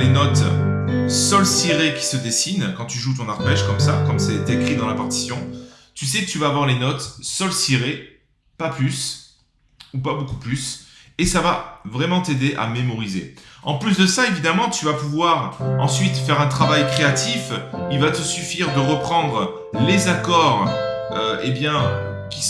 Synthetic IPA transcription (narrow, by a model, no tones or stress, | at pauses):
lenɔt̪ | sɔlsiʁekʲi̥səd̪esinkɑ̃t̪yʒut̪̬ɔ̃naʁpɛʃkɔmsakɔmsɛd̪ekχid̪ɑ̃lapaʁt̪i̥sjɔ̃ | t̪ysɛkət̪yvaːvwaʁlenɔt̪sɔlsiʁe | paplys | upabokuplysesavavʁɛmɑ̃t̪ed̪eʔa̰memɔʁizḛɑ̃plys̬d̪əsaevid̪amɑ̃t̪yvapuvwaʁɑ̃sɥit̪fɛʁɛ̃t̪χavajkχeat̪ifilvat̪əsyfiʁd̪əʁəpχɑ̃d̪ʁə | lezakɔʁøebjɛ̃ | kʲi